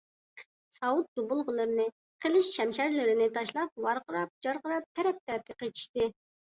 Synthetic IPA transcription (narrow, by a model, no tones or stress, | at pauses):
sɑwut̪̚d̪ubulˠʁəlˠɨɾɨnɨ | qʰəlˠɪʃʃɛmʃæɾlɪɾɪnɪt̪ʰɑʃlˠɑp̚wɑɾqəɾɑp̚d͡ʒɑɾqəɾɑp̚t̪ʰɛɾɛp̚t̪ʰɛɾɛp̚kʲɛqet͡ʃ̪ʰi̥ʃt̪ɪ